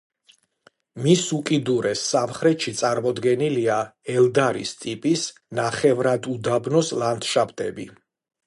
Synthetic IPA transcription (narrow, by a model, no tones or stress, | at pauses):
misukʼid̪uɾɛsːamχɾɛt̪ʃit̪sʼaɾmɔd̪ɡɛniliaɛlˠd̪aɾḭst̪ʼipʼis | naχɛvɾad̪ud̪abnɔslant̪ʃapt̪ʼɛbi